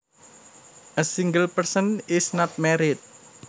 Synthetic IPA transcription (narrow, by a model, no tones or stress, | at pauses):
ʔəsiŋɡəlpərsənɪsnat̪̚mɛɾɪt̪̚